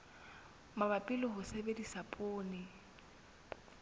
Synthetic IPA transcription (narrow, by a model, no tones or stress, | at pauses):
mabapʼɪlɔɦʊsebedisapʼʊːnɪ